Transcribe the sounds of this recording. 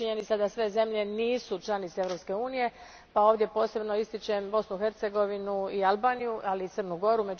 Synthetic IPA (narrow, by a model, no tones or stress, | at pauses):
iɲe̞nit̪sad̪asʋe̞ze̞mʎe̞niːsut͡ʃlˠanit̪seeʋɾo̞pske̞uːnije̞ | pao̞ːʋd̪je̞po̞ːse̞bnoist̪it͡ʃe̞mbo̞snuxe̞ɾt̪se̞ɡo̞ʋinuialˠbaːnijuʔaliːt̪sərnuɡo̞ɾume̞d͡ʒ